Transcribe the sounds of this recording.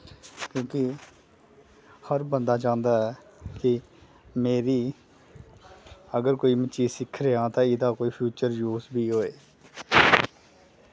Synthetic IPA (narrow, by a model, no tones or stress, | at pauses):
kjõːkɪ | həɾbənd̪aːt͡ʃãːnd̪aːɛː | kɪ | meːɾiː | əɡəɾkoːiːmət͡ʃiːsɪkʰɾeːãːt̪ãːɪd̪aːkoːiːpʰjuːt͡ʃəɾjuːzbʱiːɦoːeː